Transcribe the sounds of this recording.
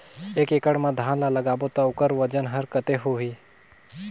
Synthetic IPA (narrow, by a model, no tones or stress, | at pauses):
eːkekəɽmãd̪ʱaːnlalɐɡaːbot̪aʊkəɾʋəd͡ʒənɦəɾkət̪eɦoɦiː